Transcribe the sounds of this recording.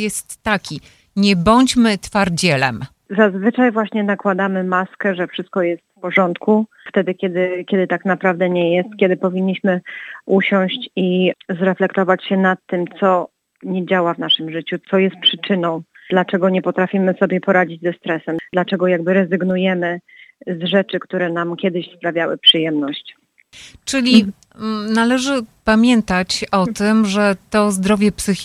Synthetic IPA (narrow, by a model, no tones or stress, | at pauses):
jɛst̪ːakʲi | ɲɛbɔɲt͡ɕmɘt̪faɾd͡ʑɛlɛ̰m | zazvɘt͡ʂajvwaɕɲɛnakwad̪amɘmaskɛʐɛfʂɘst̪̚kɔjɛst̪fpɔʐɔnt̪ku | ft̪ɛd̪ɘkʲɛd̪ɘkʲjɛd̪ɘt̪aknapɾavd̪ɛɲɛjɛst̪̚kʲɛd̪ɘpɔvʲiɲːiɕmɘuɕɔ̃w̃ɕt͡ɕizɾɛflɛkt̪ɔvat͡ɕɕɛnat̪ːɘmt̪sɔ | ɲɛd͡ʑawavnaʂɘmʐɘt͡ɕut̪sɔjɛst̪̚pʂɘt͡ʂɘnɔ̃w̃d̥̪lat͡ʂɛɡɔɲɛpɔt̪ɾafʲimɘsɔbʲjɛpɔɾad͡ʑid͡ʑzɛst̪ɾɛsɛmd̪lat͡ʂɛɡɔjaɡbɘɾɛzɘɡnujɛmɘ | zʐɛt͡ʂɘkt̪uɾɛnamkʲɛd̪ɘɕspɾavʲjawɘ̰pʂɨjɛmnɔɕt͡ɕ | t͡ʂɘlʲi | nalɛʐɘpamʲjɛnt̪at͡ɕɔt̪ɘmʐɛt̪ɔzd̪ɾɔvʲjɛpsɘ